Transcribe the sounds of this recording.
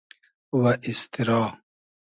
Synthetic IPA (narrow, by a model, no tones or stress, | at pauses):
wɐʔist̪iɾɑː